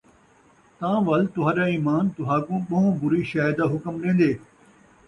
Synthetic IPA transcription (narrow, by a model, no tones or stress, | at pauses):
t̪ãːʋɐlt̪ʊɦãːɗaːiːmaːnt̪ʊɦaːkũːɓɐ̃ɦõbʊɾiʃaːɪd̪aɦʊkəmɾẽːn̆d̪eː